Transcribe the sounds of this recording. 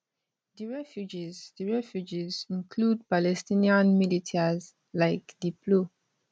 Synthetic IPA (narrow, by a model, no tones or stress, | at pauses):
diɹɛfjud͡ʒizdiɹɛfjud͡ʒizĩnkʰlud̚palɛstĩniãnmilitʰɛz | laɪkdipʰlo